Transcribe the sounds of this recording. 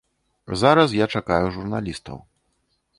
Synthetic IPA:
zaɾɐs̬jat͡ʂakajuʐurnalʲist̪ɐ̰w

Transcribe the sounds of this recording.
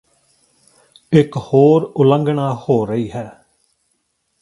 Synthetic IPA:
ɪkhoːɾʊlə̃ŋɡɳaːhoːɾəiːɦɛː

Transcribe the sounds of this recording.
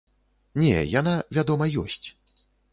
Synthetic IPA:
nʲɛ̰jan̪avʲad̪ɔmɐjɔsʲt͡sʲ

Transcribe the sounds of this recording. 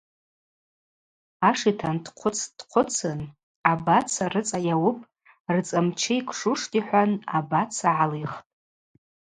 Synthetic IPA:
aʂitʰandqʷʰʊt͡sʰd̥qʷʰʊt͡sʰɨn | abat͡sʰarɨt͡sʼajawʊpʼ | rt͡sʼamt͡ʃʰeikʷʰʂuʂtʼiħʷanabat͡sʰaʕaliχtʼ

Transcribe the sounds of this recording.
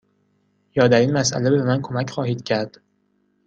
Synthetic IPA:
jɒːd̪æɾiːnmæsʔæ̰le̞beemænkʰo̞mæcʰxɒːhiːd̪̥cʰæɾd̪̥

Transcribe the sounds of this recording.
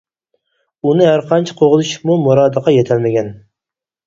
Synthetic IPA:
unɪɦæɾqʰɑnt͡ʃʰɛ̥qʰoʁzɨʃmumuɾɑːd̪əqʰɑjet̪ʰælmɪɡʲɛn

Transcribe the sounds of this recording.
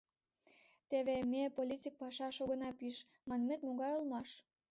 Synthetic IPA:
t̪eβemepolʲitʲik̚pɑʃɑʃoɣə̆nɑpiʃ | mɑnmet̪muɣɑjolmɑʃ

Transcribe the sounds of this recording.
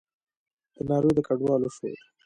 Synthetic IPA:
d̪̥ənɑɾod̪əkaɖwɑːloʃwḛ

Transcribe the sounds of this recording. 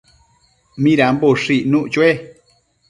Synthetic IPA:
mĩɾamboʂiʔnũʔt͡ʃwe

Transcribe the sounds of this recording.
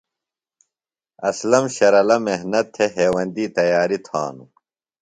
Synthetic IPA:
ɐslɐmɕɐɾɐlɐmehnɐt̪ʰːeɦeːwɐnd̪iːt̪ɐjaːɾit̪ʰa̰ːnṵ

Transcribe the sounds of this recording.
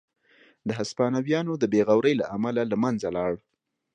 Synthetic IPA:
d̪əɦaspɑnawjɑnod̪əbeɣawɾəjlaʔamalalamanzalɑɽ

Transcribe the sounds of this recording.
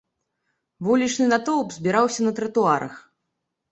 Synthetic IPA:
vulʲit͡ʂnɨnat̪ɔwpzʲbʲiɾawsʲɐnɐt̪ɾɐt̪uaɾɐ̰x

